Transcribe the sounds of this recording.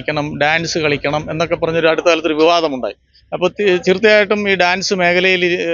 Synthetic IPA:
kʲːɐɳɐmɖaːnsɨkɐɭikʲːɐɳɐme̞nːo̞kːe̞pːɐrɐɲːo̞ɾuɐɽut̪ːɨkaːlɐt̪ːouʋiʋaːðɐmuɳɖa̰ːji | ɐpːoːt̪irut̪ːijaːjiʈːumiːɖaːnsɨme̞ːkʰɐlɐjili

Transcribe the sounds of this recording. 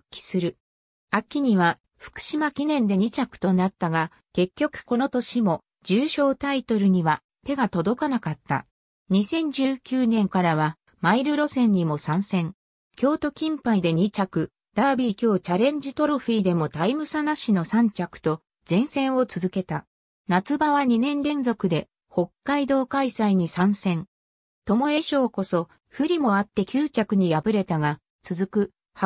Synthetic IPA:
kʲi̥sɨɾɯ̟ | akʲːiɲ̟iβa | ɸɯ̟̥kɯ̟̥ɕimakʲinẽ̞nd̪e̞ɲ̟it͡ɕakɯ̥t̪o̞nat̪ːaɡa | ke̞kʲːo̞kɯ̟̥ko̞no̞t̪o̞ɕimo̞ | d͡ʑɨːɕo̞ːt̪ait̪o̞ɾɯ̟ɲ̟iβa | t̪e̞ɡat̪o̞d̪o̞kanakat̪ːa̰ | ɲ̟isẽ̞ɲ̟d͡ʑɨːkʲɨːnẽ̞ŋkaɾaβa | maiɾɯ̟ɾo̞sẽ̞ɲ̟ɲːimo̞sãɰ̃sẽ̞ŋ | kʲo̞ːt̪o̞kʲĩmpaid̪e̞ɲ̟it͡ɕakɯ̟ | d̪̥abʲikʲo̞ːt͡ɕaɾẽ̞ɲ̟d͡ʑit̪o̞ɾoɸiːd̪e̞mo̞t̪aimɯ̟sanaɕino̞sãɲt͡ɕakɯ̟̥t̪o̞ | z̥ẽ̞ɰ̃sẽ̞ɰ̃o̞t͡sɨzɨke̞t̪a | nat͡sɨbaβaɲ̟inẽ̞nɾẽ̞nd͡zo̞kɯ̟d̪e̞ | ho̞kːaid̪o̞ːkaisaiɲ̟isãɰ̃sẽ̞ŋ | t̪o̞mo̞e̞ɕo̞ːko̞so̞ | ɸɯ̟ɾʲimo̞at̪ːe̞kʲɨːt͡ɕakɯ̟ɲ̟ijabɯ̟ɾe̞t̪aɡa | t͡sɨzɨkɯ̟ | ha

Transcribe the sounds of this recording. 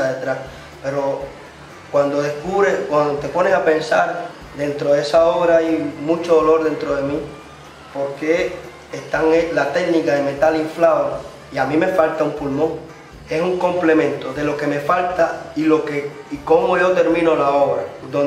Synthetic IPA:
aðet̪ɾas | pe̞ɾo̞ | kwand̪o̞ðe̞hkuβɾeskwand̪ot̪epo̞nesape̞nsaɾ | d̪e̞nt̪ɾo̞ðeesaoβɾaijmũt͡ʃoðolo̞ɾðe̞nt̪ɾo̞ðe̞mi | po̞ɾke̞ː | st̪aŋelat̪e̞knikaðe̞me̞t̪aliɱflaβa | iamĩme̞falt̪aumpulmõ̞ŋ | e̞suŋko̞mple̞mẽ̞nt̪o̞ðe̞lo̞ke̞me̞falt̪ailo̞ke̞iko̞mo̞ʝo̞t̪e̞ɾmĩno̞lao̞βɾad̪o

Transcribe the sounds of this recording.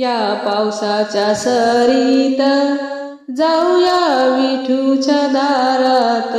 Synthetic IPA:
japawsat͡ɕjasəɾit̪ə | d͡zawjaʋiʈʰut͡ɕad̪ʱaɾat̪

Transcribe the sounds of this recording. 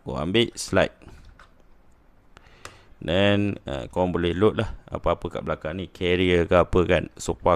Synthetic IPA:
ko̰a̰mbɪʔsla̰jt̪̚ | dɛnə̰kŋbolɛhlʊt̪̚laha̰paapəka̰ʔbəlakaŋnikʰɛɾiəkaapəkansoka

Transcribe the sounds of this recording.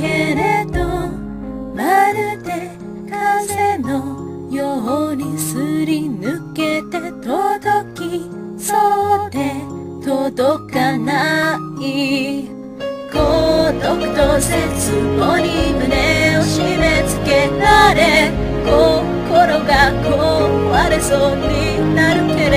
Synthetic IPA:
ke̞ɾe̞d̪o | maɾɯt̪e̞ | kʰazeno | joɦoɲ̟isɨɾʲinɯke̞t̪e̞t̪od̪okʲi | sot̪e̞ | t̪od̪okanai | kod̪okɯ̟̥t̪oset͡sɨmoɾʲimɯ̟neoɕimet͡sɨ̥ke̞ɾaɾe | ko | koɾo̞ɡako | βaɾesoɲʲi | naɾɯ̟keɾ

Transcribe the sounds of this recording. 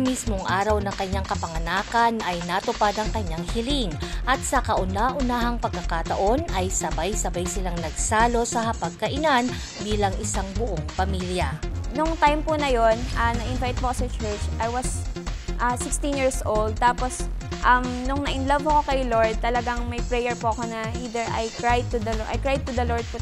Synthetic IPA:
mismo̞ŋʔaːɾɐwnɐŋkɐɲːaŋkɐpɐŋɐnaːkɐnʔɐjnɐt̪ʊpad̪ɐŋkɐɲaŋhɪlɪŋʔɐt̪̚sɐkɐʔʊnaʔʊnaːɦɐŋpɐɡ̚kːɐkat̪ɐʔo̞nɐjsɐbajsɐbajsɪlaŋnɐɡsaːlo̞sɐhɐpɐɡ̚kɐʔɪnan | biːlɐŋɪsaŋbʊʔoŋpɐmiːljɐnʊŋt̪ajmpʊnɐjonʔɐnɐʔɪnvajt̪̚pokosɐt͡ʃɛɹt͡ʃʔɐjwɐsʔasɪkst̪ɪ̃njiɹsʔowld̪̚t̪aːposʔɐmnʊŋnɐʔɪnlɐvɐkokɐjloɹd̪̚t̪ɐlɐɡaŋmɐjpɹɛjɛɹpoʔɐko̞nɐʔiːd̪ɛɹʔɐjkɹajd̪̚t̪ʊd̪ɐlʔɐ̰jkɹajd̪̚t̪ʊd̪ɐloɹd̪̚p

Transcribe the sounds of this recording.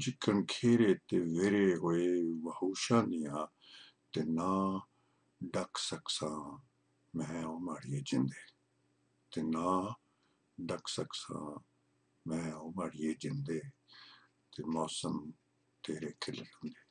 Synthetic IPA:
d͡ʒɪkːənkʰeːɾeːt̪eːʋeːɾeːɦoːeːʋəhuːʃãːd̪ɪjãː | t̪eːnaː | ɖəksəksãː | mɛ̃ːoːmaːɽijeːd͡ʒɪ̃nd̪eː | t̪eːnaː | ɖəksəksã̰ː | mɛ̃ːomaːɽieːd͡ʒɪnd̪eː | t̪eːmɔːsəm | t̪eːɾeːkʰɪlɾõnd̪eː

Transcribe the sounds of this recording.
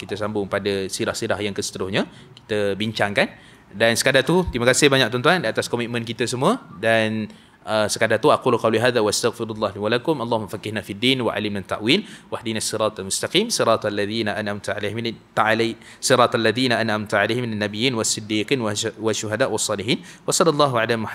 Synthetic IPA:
kit̪asambʊŋpadasiɾahsiɾahjaŋkəsə̥t̪əɾʊhɲã | ki̥t̪əbiɲt͡ʃaŋkan | dansə̥kadat̪ut̪imakasɪhbaɲaʔ̚t̪ɔnt̪uandiat̪askomit̪mə̃nkit̪əsəmũədan | əsəkadat̪uaquluqawliɦaːðawaast̪aɣfɪɾulːɑhliwalakʊmɑlˤːɑhumːafakɪhnafidːiːnwa̰ʔa̰limlant̪ːa̰ʔwilwahdinasːɨɾɑːt̪almʊst̪aqiːmsɨɾɑːt̪alːaðiːnaʔanamt̪uʕa̰lehmnt̪aala | sɨɾɑːt̪ˤalːaðiːnaʔanʔamt̪aʕalehmɪnanːabijiːnwasɪd̪iːqinwwaʃuɦadaʔwɑsˤːɑːliħiːnwasadalːɑɦwaʕalamʊħa

